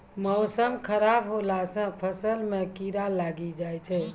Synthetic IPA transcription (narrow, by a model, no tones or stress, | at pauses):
mɔʊsəmkʰəɾabɦolasə̃pʰəsəlmekiɾalaɡid͡ʒajt͡ʃʰɛ